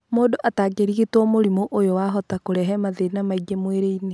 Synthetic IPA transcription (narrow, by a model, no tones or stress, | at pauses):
moːdoʔataːɡeɾiɣetwɔmoɾimoʔojowaɦɔtakoɾɛɦɛmaðeinamaiɡemweɾeine